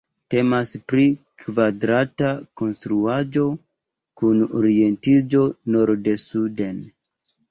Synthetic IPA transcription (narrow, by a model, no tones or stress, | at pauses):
te̞maspɾi | kvadɾatako̞nstɾuad͡ʒo̞ | kuno̰ɾie̞ntid͡ʒo̞no̞ɾdesude̞n